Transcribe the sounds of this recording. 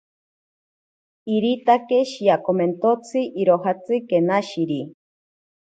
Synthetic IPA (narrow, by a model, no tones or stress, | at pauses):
iɾit̪akeʃijakoment̪ot͡sʰɨʔiɾoɦat͡sɨkenaʃiɾi